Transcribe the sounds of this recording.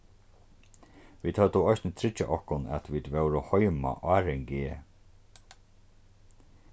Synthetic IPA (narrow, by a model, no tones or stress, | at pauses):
ʋiːt̪hœt̪əɔjsnət̪ʰɾɪt͡ʃːa̰ʔɔhkʊnɛ̰t̪viːd̪vɛwɾɔhɔʏma̰ʔaːɾɛŋɡeː